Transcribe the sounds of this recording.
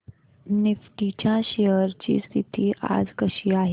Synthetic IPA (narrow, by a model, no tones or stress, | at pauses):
nɪfʈiːt͡ʃãʃejəɾd͡ʒḭst̪ʰit̪ʰiʔa̰ːd͡ʒkəʃiaːɦ